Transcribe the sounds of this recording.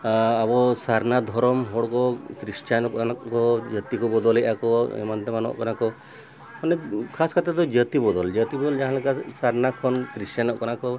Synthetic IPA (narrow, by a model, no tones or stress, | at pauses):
abɔsaɾnad̪ʱɔɾɔmɦɔɽkɔkɾist͡ʃankɔakɔd͡ʒət̪ikɔbɔd̪ɔleʔakɔḛmant̪emanɔ̰ʔkɔnakɔ | mɔnekʰaskat̪at̪ɔd͡ʒət̪ibɔd̪ɔld͡ʒət̪ibɔd̪ɔld͡ʒaɦãlakasaɾnakʰɔnkɾisanɔʔkɔnakɔ